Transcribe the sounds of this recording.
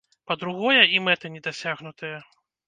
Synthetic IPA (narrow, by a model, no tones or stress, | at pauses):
pɐd̪ɾuɣɔjɐimɛt̪ɐnʲɛd̪asʲaɣnut̪ɐjɐ